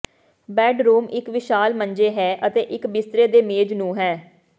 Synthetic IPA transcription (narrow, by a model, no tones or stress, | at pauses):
bɛːɖɾuːmɪkʋɪʃaːlməɲd͡ʒeːɦɛːʔət̪eːʔɪkbɪst̪ɾeːd̪eːmeːd͡ʒnũːɦɛː